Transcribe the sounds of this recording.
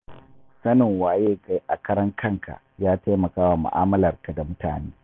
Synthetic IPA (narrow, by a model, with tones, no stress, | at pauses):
sɐ˦nɪ˨ŋwaː˨jeː˦ka˦jʔa˨kɐ˦ɾɐ˦ŋkʰɐ˦˨ŋkʰa̰˨ʔjaː˦ta˦jmɐ˨kaː˦wa˨mʊ̰˨ʔa̰ː˦mɐ˦lɐ˨rka˨da˨mʊ˦ta̰ː˨neː˦